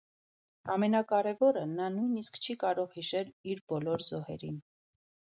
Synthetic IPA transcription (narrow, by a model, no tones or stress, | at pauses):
ɑmɛnɑkɑɾɛvɔɾənɑnujniskt͡ʃʰikɑɾɔʁhiʃɛliɾbɔlɔɾzɔhɛɾin